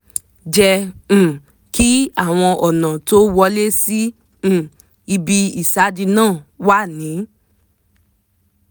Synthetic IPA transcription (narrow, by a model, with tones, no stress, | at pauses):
d͡ʒɛ̃˧˨ | ki˦a˦˨w̃ɔ̃˧ʔɔ˨nã˨to˦wɔ˧le˦sĩ˦˨ | i˧bi˧i˨sa˨˦di˧nãː˦˨wa˦˨nĩ˨˦